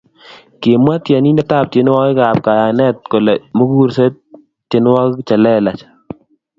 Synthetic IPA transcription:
ke˨mwa˦t̪ja˨ni˦na˦ta˦˨p̚te˨˦n˦wa˦ka˨p̚ka˨ja˨nɛ˦t̪̚ko˨lɛ˨mo˦ɡuɾse˦t̚ | t͡ʃe˨n˦wa˦kkt͡ʃa˨lɛ˦la˨t͡ʃ

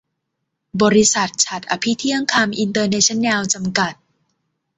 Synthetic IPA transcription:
bɔː˧ɾi˧˥sa˨˩t̪̚t͡ɕʰa˨˩t̪̚ʔa˧pʰi˦˥t̪ʰi˦˥əŋkʰaː˧mʔi˧nt̪ɤː˧neː˦˥t͡ɕʰa˦˥nːɛ˧wt͡ɕa˧mka˨˩t̪̚

